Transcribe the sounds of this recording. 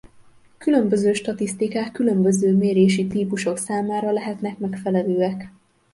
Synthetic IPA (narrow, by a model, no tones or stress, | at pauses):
kylø̞mbø̞zøːʃt̪ɒt̪ist̪ikaːkːylø̞mbø̞zøːmeːɾeːʃit̪iːpuʃo̞ksaːmaːɾɒlɛɦɛt̪nɛkmɛkfɛlɛløːɛk